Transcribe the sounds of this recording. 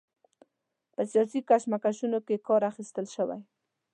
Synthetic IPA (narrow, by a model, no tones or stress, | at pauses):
pəsijɑsikaʃmakaʃunokekɑɾaxist̪əlʃəwa̰j